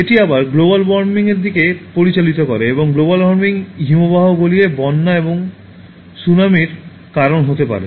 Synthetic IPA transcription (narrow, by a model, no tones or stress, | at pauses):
eʈiabaɾɡlobalbɔɾmiŋeɾd̪ikepoɾit͡ɕalit̪okɔɾeeboŋɡlobalbɔɾmiŋɦimobaɦoɡoliebɔnːaeboŋ | sunamiɾ | kaɾonɦot̪epa̰ɾḛ